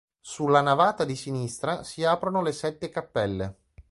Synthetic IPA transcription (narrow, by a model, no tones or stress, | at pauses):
sulːanavaːt̪ad̪isinist̪ɾasiaːpɾonolesɛt̪ːekapːɛlːe